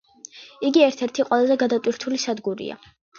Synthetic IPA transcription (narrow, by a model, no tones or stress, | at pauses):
iɡiɛɾt̪ʰɛɾt̪ʰiqʼwɛlˠazɛɡad̪at̪ʼwiɾt̪ʰulisad̪ɡuɾḭa̰